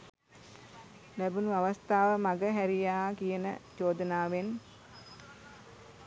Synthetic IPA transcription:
læbunuaʋast̪aːʋəmaɡəɦæɾijaːakijənəd͡ʒoːd̪ənaːʋen

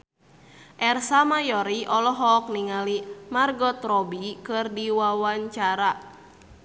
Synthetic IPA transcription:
ʔɛrsamajɔɾiʔɔlɔɦɔk̚niŋalimarɡɔt̪ɾɔbikɨrdiwawaɲt͡ʃaɾa

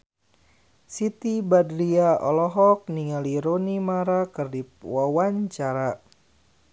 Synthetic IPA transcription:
sit̪ibadɾiaʔɔlɔɦɔk̚niŋaliɾonimaɾakərdip̚wawaɲt͡ʃaɾa

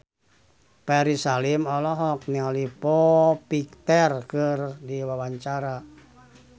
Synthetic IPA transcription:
pɛɾisalimɔlɔɦɔk̚nialipɔpik̚t̪ɛrkɨrdiwawaɲt͡ʃaɾa

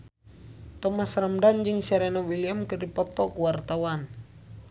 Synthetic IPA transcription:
t̪ɔmasramdand͡ʒɨŋsaɾɛnawiliamkɨrdipɔt̪ɔkuwart̪awan

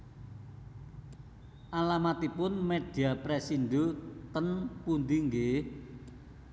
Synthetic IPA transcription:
ʔalamat̪ipʊnmeɖ̥iapɾesinɖut̪ənpund̪iŋɡe

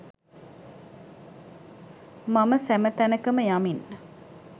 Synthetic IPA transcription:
maməsæmət̪ænəkəməjamin

